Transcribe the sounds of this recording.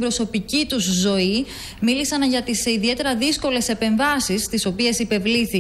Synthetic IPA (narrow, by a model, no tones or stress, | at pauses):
bɾo̞so̞picit̪uzːo̞i | milisɐnʝɐt̪isiðie̞t̪e̞ɾɐðisko̞le̞se̞pe̞ɱvɐsist̪iso̞pie̞sipe̞vliθi